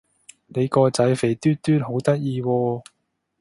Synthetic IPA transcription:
ne˨˧jkɔː˧t͡sɐ˨˥jfe˨˩jt̪yː˥t̪yː˥t̚ɦo˨˥wt̪ɐ˥t̚jiː˧wɔː˧

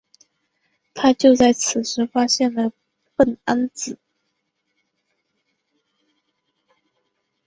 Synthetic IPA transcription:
t̪ʰa˥t͡ɕjo˥˧ʊt͡sa˥˩ɪt͡sʰɹ̩˨˩ʂɻ̩˧˥fa˥ɕjɛ˥˩nlə˩ | pə˥˩na˥nt͡sɹ̩˨˩˦

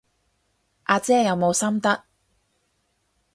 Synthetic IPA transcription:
ʔaː˧t͡sɛː˥jɐ˨˧wmo˨˧wsɐ˥mt̪ɐ˥k̚

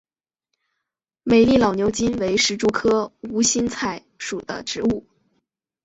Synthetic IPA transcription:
me˨˩ɪli˥˩lɑ˨˩ʊnjo˧˥ʊt͡ɕi˥nwe˧˥ɪʂɻ̩˧˥ʈ͡ʂu˥˩kʰɤ˥u˧˥ɕi˥nt͡sʰa˨˩ɪ | ʂu˨˩d̪ə̰˦ʈ͡ʂɻ̩˧˥u˥˩

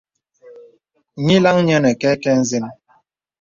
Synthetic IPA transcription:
ɲi˦la˦ŋ˦ɲɛ˦nɛ˨kɛ˦kɛ˦n̩˦ze˦n˦

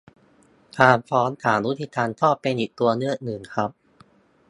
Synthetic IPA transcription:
t̪ʰaː˧npʰɔː˦˥nt̪ʰaː˩˦nwu˦˥t̪ʰi˧t̪ʰaː˧nt̪ʰɔː˥˩pːe˧nʔiː˨˩k̚t̪u˧ɐnɯ˥˩ək̚nɯ˨˩ŋkʰɾa˦˥p̚

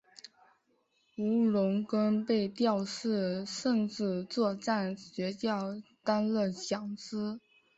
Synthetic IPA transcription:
u˧˥lʊ˧˥ŋkə˥npe˥˧ɪt̪jɑ˥˧ʊʂɻ̩˥˧ʂə˥˧ŋʈ͡ʂɻ̩˥˧t͡swɔ˥˧ʈ͡ʂa˥˩nɕɥɛ˧˥t͡ɕjɑ˥˩ʊt̪a˥nlə˥˩ɕjɑ˨˥ŋt͡sɹ̩˥

